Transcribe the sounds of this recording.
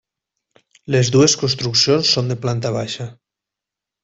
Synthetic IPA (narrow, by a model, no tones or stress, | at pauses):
lezðueskonst̪ɾuksjonsːond̪eplant̪aβ̞aʃa